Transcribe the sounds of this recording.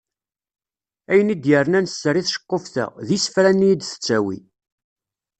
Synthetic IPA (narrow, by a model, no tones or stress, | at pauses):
æjənid̪jəɾənænəsːəɾiθʃə̥qːofθə̰ʁðisəfɾænːijid̪θə̥t͡sːæwḭ